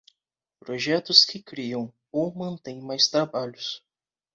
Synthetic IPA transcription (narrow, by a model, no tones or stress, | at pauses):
pɾoʒɛt̪ʊskʰɪkɾiɐ̃w̃ | owmɐ̃nt̪ẽj̃majst̪ɾabaʎʊs